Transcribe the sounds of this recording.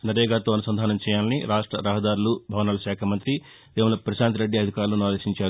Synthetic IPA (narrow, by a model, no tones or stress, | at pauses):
nɐɾɛːɡaːt̪oːɐnusɐnd̪ʱaːnɐmt͡ʃɛːjaːlɐniɾaːʂʈɾɐ̰ɾɐɦɐd̪aːɾulubʱɐʋɐnɐːlɐʃaːkʰɐmɐnt̪ɾi | d̪eːmɐlɐpɾɐʃaːnt̪iɾeɖːiɐd̪ʱikaːɾulːunaːleːʃiɲt͡ʃaːɾu